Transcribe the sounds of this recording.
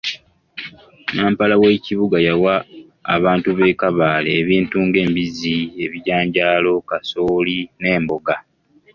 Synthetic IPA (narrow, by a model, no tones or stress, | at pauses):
naːmpalawe̞ːciβuɡajawa̰ː | βaːntuβe̞ːkaβaːleːβiːntuːŋɡe̞ːmbizie̞βiɟaːɲɟaːlo̞kasoːline̞ːmbo̞ɡa